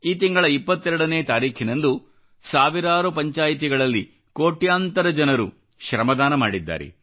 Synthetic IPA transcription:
iːt̪iŋɡɐɭɐipːɐt̪ːɛɾɐɽɐne̞ːt̪aːɾiːkʰinend̪u | saːʋiɾaːɾupɐɲt͡ʃaːjit̪̬iɡɐɭɐlːi | ko̞ːʈjaːnt̪ɐɾɐd͡ʒɐnɐɾṵ | ʃɾɐmɐd̪aːnɐmaːɽid̪ːa̰ːɾḛ

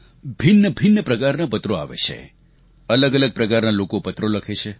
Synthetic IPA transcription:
bʱinːəbʱɪnːəpɾəkaɾnapət̪ɾoa̰ʋḛt͡ʃʰḛ | ələɡələɡ̚pɾəkaɾnalokopət̪ɾoləkʰet͡ʃʰe

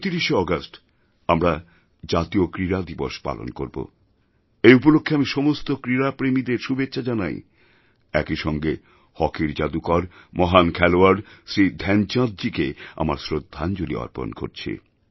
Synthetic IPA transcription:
t̪iɾiʃeɔɡasʈ | amɾa | d͡ʑat̪iokɾiɾad̪ibo̰ʃpa̰lo̰nko̰ɾbo̰ | ejupolokʰːeamiʃɔmost̪okɾiɾapɾemid̪eɾʃubetːɕʃʰad͡ʑana̰j | ɛ̰kiʃɔŋɡe | hɔkiɾd͡ʑad̪ukɔɾmɔɦankʰɛloaɾɖsɾid̪ʱɛnt͡ɕãd̪̚d͡ʑikea̰maɾsɾod̪ʱːand͡ʑolḭɔ̰ɾpo̰nko̰ɾt͡ɕʰḭ

